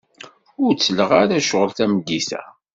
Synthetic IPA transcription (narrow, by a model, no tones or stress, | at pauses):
ʊɾt͡sːələʁaɾæʃəʁəlθæmɡːiθæ̰